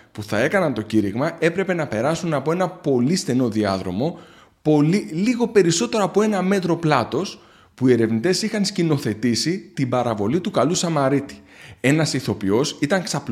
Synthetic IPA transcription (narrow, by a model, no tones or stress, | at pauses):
puθɐe̞kɐnɐnt̪o̞ciɾiɣmɐe̞pɾe̞pe̞nɐpe̞ɾɐsunɐpo̞e̞nɐpo̞list̪e̞no̞ðiɐðɾo̞mo̞ | po̞liliɣo̞pe̞ɾiso̞t̪e̞ɾoɐpo̞e̞nɐme̞t̪ɾo̞plɐt̪o̞s | puie̞ɾe̞vnit̪e̞sixɐnscino̞θe̞t̪isit̪ibɐɾɐvo̞lit̪ukɐlusɐmɐɾit̪i̥ | e̞nɐsiθo̞pio̞sit̪ɐŋksɐp